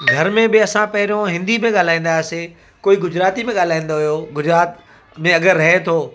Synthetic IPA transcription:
ɡʱɐɾmẽɓɪɐsãpɐɦɪɾõɦɪ̃nd̪imẽɠaːl̤aːĩːn̆d̪aːse | koːiɡʊd͡ʑɾaːt̪imẽɠaːl̤aːĩːn̆d̪oɦijoːɡʊd͡ʑɾaːt̪ | mẽɐɡəɾːɐɦet̪ʰoː

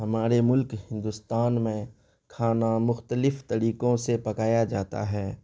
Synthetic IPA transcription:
ɦɐmaːɾemʊlkhɪ̃nd̪ʊst̪aːnmẽ | kʰaːnamʊxt̪əlɪfʰt̪əɾiːkõsepɐkaːjad͡ʒaːt̪a̰ɦɛː

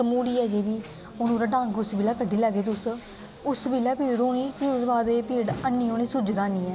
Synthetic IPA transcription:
əmuːɽiːɛːd͡ʒeːɾiː | ʊnõːɾaːɖãːŋɡʊsbiːlaːkəɖːiːləɡeːt̪ʊs | ʊsbiːlaːpiːɖɾoːniːpiʊsbaːd̪eːpiːɽənːiːoːniːsʊd͡ʒd̪aːniːɛː

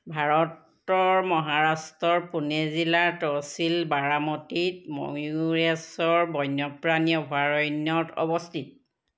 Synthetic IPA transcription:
bʱaɹɔt | ɔɹmɔɦaɹastɔɹpunezilaɹtɔɹsilbaɹamɔtitmɔ̰ɹesɔɹbɔjnɔpɹanjɔbʱaɹɔjnjɔtɔ̰bɔstʰit̚

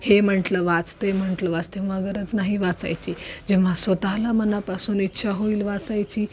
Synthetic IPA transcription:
hem̤əɳʈləʋat͡st̪em̤əɳʈləʋat͡st̪eʋʋãɡəɾət͡snaɦiʋat͡sa̰jt͡ɕiːd͡ʑeʋʋ̤ãsʋət̪alamənapasuːnit̪ːɕʰaɦoiːlʋat͡sajt͡ɕiː

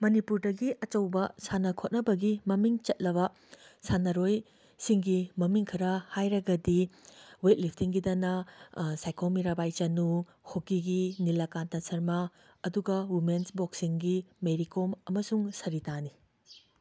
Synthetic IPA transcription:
mɐnipuɾdɐɡiʔɐt͡ʃɐwbɐsanɐkʰot̚nɐbɐɡimɐmiŋt͡ʃɐt̚lɐβɐ | sanɐɾoj | siŋɡimɐmiŋkʰɐɾɐhajɾɐɡɐdiwet̚lipʰtiŋɡidɐnɐsajkʰomiɾabajt͡ʃɐnu | hʰokiɡinilɐkantɐsɐɾmɐ | ɐduɡɐwimensboksiŋɡimeɾikomɐmɐsuŋsɐɾitani

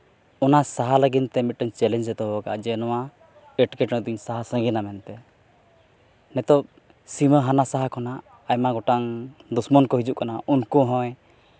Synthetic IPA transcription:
ɔnasaɦaləɡint̪ɛmit̪̚ʈəɲt͡ʃɛlɛnd͡ʒɛt̪ɔɦɔka̰ʔd͡ʒɛnɔwa | ɛʈkɛʈnəd̪iɲsaɦasə̃ɡinamɛnt̪ɛ | nɛt̪ɔp | siməɦanasaɦakʰɔnaː | jmaɡɔʈaŋd̪usmɔnkɔɦid͡ʒuʔkanaunkɔɦɔ̃j

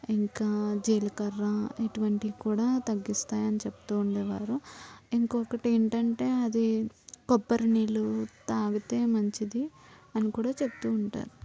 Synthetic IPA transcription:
iŋkaːd͡ʒeːlɐkɐɾːɐeʈuʋɐɳʈiɡkuːɽaːt̪ɐɡːist̪aːjɐnit͡ʃepu̥t̪uːɳɖeːʋaːɾuiŋkoːkɐʈieɳʈɐɳʈe̞ːɐd̪ikɔpːɐɾɐniːlut̪aːɡut̪e̞ːmɐɲt͡ʃid̪iɐnikuːɽaːt͡ʃepu̥t̪uːɳʈa̰ːɾu

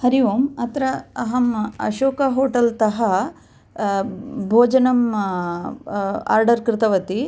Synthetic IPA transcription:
hɐɾiʋoːmɐt̪ɾɐɐɦɐmɐ̰ʃoːkɐɦoːʈɐlt̪ɐɦɐ | bʱoːd͡ʒɐnɐm | a̰ːɾɖɐɾkɾɪt̪ɐʋɐt̪i

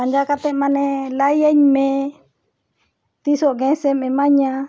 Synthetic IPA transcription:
and͡ʒakat̪emãnẽlajeɲmẽ | t̪isoʔɡẽsemẽmãɲã

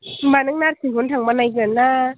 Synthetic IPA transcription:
baːnɯŋnaːt̚sikʰont̪ʰaŋmanːajk̬ɯnnaː

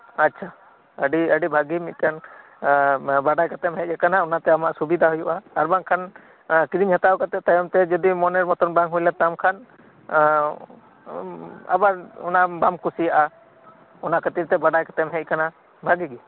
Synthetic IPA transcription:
atːt͡ʃʰa | əɖiəɖibʱaɡimit̪̚ˀkan | baɖajkat̪ɛmɦɛc̚ˀakanaɔnat̪ɛamaʔsubid̪ʱaɦujuʔaːɾbaŋkʰan | kiɾiɲɦat̪awkat̪ɛʔ̚t̪ajɔmt̪ɛd͡ʒɔd̪imɔnɛɾmɔt̪ɔnbaŋɦujlat̪amkʰan | a̰baɾɔ̰nabamkusijaʔa | ɔnaʔkət̪iɾt̪ɛbaɖajkḁt̪ɛmɦɛc̚ˀkana | bʱaɡiɡi

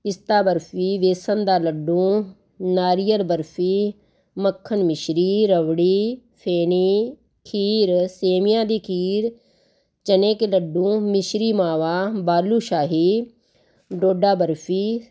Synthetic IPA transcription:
ɪst̪aːbəɾfiʋeːsənd̪aːlɐɖːũː | naːɾijəɾbəɾfiː | mɐkʰːənmɪʃɾiːɾɐʋɽiː | pʰeːni | kʰiːɾseːmɪjãːd̪iːkʰiːɾ | t͡ʃɐneːkləɖːũːmɪʃɾiːmaːʋaːbaːluːʃaːɦi | ɖoːɖaːbəɾfiː

